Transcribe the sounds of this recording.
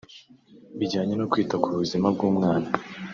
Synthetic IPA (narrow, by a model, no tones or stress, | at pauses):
βiɟaːɲe̞nokwiːtakuβuzimab̚ɡuːmŋaːna